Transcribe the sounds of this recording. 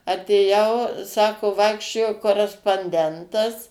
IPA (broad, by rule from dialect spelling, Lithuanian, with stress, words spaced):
ɐtʲeːˈjɛʊ ˈsɑːkoː ˈʋɐɪkʃʲt͡ʃʲoːjoː koːrʲɛspoːnʲˈdʲɛntɐs